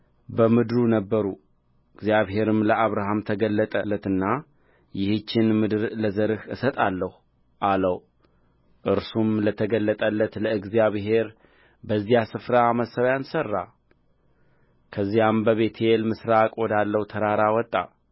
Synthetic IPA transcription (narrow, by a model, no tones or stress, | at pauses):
bəmɨd̪ɾunəbːəɾu | ɨɡzjaβhe̞ɾɨmləaβɾaɦamt̪ʰəɡəlːət̪ʼəlːət̪ɨnːa | jɪhɨt͡ʃːɪnmɨd̪ɨɾləzəɾɨhɨsət̪ʼalːəhu | ʔaləw | ʔɨɾsumlət̪ʰəɡəlːət̪ʼəlːət̪ləɨɡzijaβɦe̞ɾ | bəzːijasɨfɾaməsəβjansərːa | kʰəzːijambəβe̞t̪ʰjelmɨsɾakʼwɔd̪alːəhut̪ʰəɾaɾawɔt̪ʼːa̰